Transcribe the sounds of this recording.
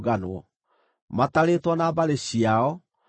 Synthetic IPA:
ɣanwɔ | mataɾeːtwɔnabaɾeɕiaɔ

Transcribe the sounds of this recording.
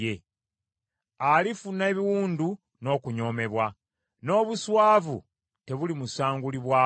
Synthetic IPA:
e | alifune̞ːβiwuːndu | no̞ːkuɲo̞ːme̞βwa | no̞ːβuswaːvṵ | te̞βulimusaːŋɡuliβwaː

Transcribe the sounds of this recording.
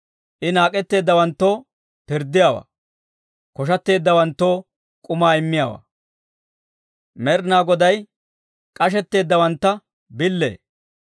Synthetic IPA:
ʔɪnaːkʼɛt̪ːe̞ːd̪ːɐwɐnt̪ːo̞ː | pɪɾd̪ɪjaːwa̰ː | kɔʃ̬ɐt̪ːe̞ːd̪ːɐwɐnt̪ːo̞ː | kʼʊmaːɪmːɪjaːwa̰ː | mɛɾnaːɡɔd̪ɐj | kʼɐʃ̬ɛt̪ːe̞ːd̪ːɐwɐnt̪ːɐ | bɪlːḛː

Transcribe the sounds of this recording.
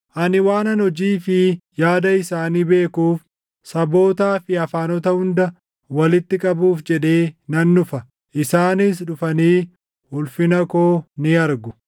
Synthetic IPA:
ʔɐnɪwaːnɐnhɔd͡ʒiːfɪjaːd̪ɐɪsaːniːbe̞ːkuːf | sɐbo̞ːt̪aːfɪɐfaːnɔt̪ɐhʊnd̪ɐ | wɐlɪt̪ːɪkʼɐbuːfd͡ʒɛᶑe̞ːnɐnːʊfɐ | ʔɪsaːnɪs̬ᶑʊfɐniː | hʊlfɪnɐkoːnɪɐɾɡʊ

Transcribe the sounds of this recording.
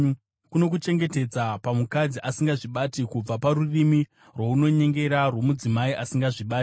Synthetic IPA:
kuno̞kut͡ʃe̞ŋɡe̞te̞d͡zapamukad͡ziʔasiŋɡaʐiɓatikub͡vapaɾurimi | rwouno̞ɲe̞ŋɡe̞ɾarwo̞mud͡zimaiʔasiŋɡaʐiɓaːti̥

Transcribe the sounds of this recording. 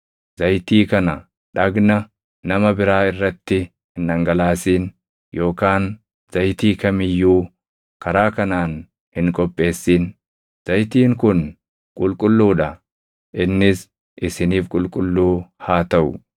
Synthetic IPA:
z̥ɐjt̪iːkɐnɐ | ᶑɐɡnɐ | nɐmɐbɪɾaːɪrːɐt̪ːɪ | hɪnːɐŋɡɐlaːsiːn | jo̞ːkaːn | z̥ɐjt̪iːkɐmɪjːuː | kɐɾaːkɐnaːn | hɪŋkʼɔpʼːe̞ːsːiːn | z̥ɐjt̪iːŋkʊn | kʼʊlkʼʊlːuːᶑɐ | ʔɪnːɪs | ʔɪsɪniːfkʼʊlkʼʊlːuːhaːt̪ɐʔʊ̰

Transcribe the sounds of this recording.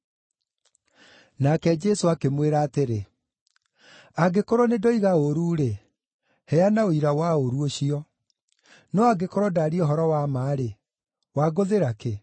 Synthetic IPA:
nakɛd͡ʒɛsoakemweɾaːteɾe | aɡekoɾɔnedɔiɣaoɾuːɾe | hɛanaoiɾawaoɾuoɕiɔ | nɔaɡekoɾɔdaɾiɔɦɔɾɔwamaːɾe | waɡoðeɾake

